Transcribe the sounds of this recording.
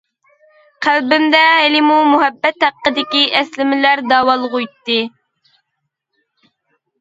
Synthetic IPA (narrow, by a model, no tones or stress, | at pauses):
qʰælbɪmd̪ɛɦɪlɪmumuɦɛbːɛt̪hæqːəd̪ɪkʲiʔɛslɪmɪlæɾd̪ɑːwɑlˠʁujt̪ːɨ